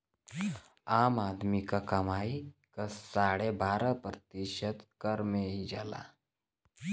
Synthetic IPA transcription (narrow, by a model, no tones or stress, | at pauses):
amad̪mikakəmaikəssaɽebaɾəpɾət̪iɕət̪kəɾmeid͡ʒala̰